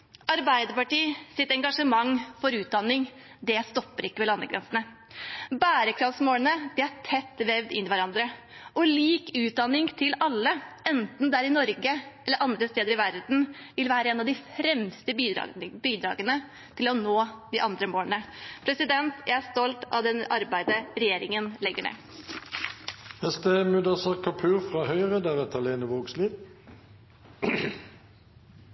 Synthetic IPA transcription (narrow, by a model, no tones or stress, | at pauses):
ɑɾbæɪd̪əɾpɑʈiːsɪt̪ɛŋɡɑʂəmɑŋːfɔɾʉːt̪̚d̪ɑnːɪŋ | d̪ɛst̪ɔpːəɾɪkːəʋɛlɑnəɡɾɛ̰nsnə | bæːɾəkʰɾɑfsmoːnəd̪̥ɛæʈʰɛt̪ːʋɛʋd̪ɪnːɪʋæɾɑnd̪ɾə | ʔɔliːkʉːt̪̚d̪ɑnːɪŋt̪ʰɪlɑlːəɛnt̪n̩d̪æɾɪnɔɾɡəɛlːəɾʔɑnd̪ɾəst̪eːd̪əɾɪʋæɾd̪n̩ʋɪlʋæːɾəɛːnɑʋd̪ɪfɾɛmst̪ə̰biːd̪ɾɑ̰ːɡənə | t̪ʰɪlɔnoːd̪ɪʔɑnd̪ɾəmoːɳəpʰɾɛsɪd̪ɛnt̪jʔæɪæst̪ɔlt̪ɑ̰ʋd̪ɛnʔɑɾbæɪd̪əɾɛjeːɾɪŋənlɛɡːəɳḛː | hɛst̪əmʉd̪ɑsɑʁkʰɑpʰʉːʁfʁɑhœʏʁəd̪æːʁɛt̪ʰɑleːnəʋoːɡsliːʋ